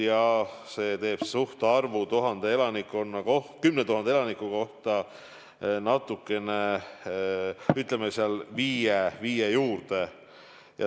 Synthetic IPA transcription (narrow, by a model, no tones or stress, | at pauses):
jɑhse̞ːt̪e̞ːb̥suht̪eɑrvut̪uɦɑnd̪̥eelɑnikːˑonːɑko̞hkymnet̪uhɑnd̪eelɑnikːˑuko̞ht̪ɑ | nɑt̪ːˑukːˑe̞ne | yt̪ˑlemːeseɑlviːjeviːjejuːrd̪e̞ | jɑ̰